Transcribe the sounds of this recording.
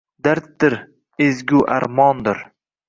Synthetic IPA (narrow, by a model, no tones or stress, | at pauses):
d̪aɾt̪̚d̪ɪɾ | ezɡʲuʔa̰ɾmɒnd̪ɪɾ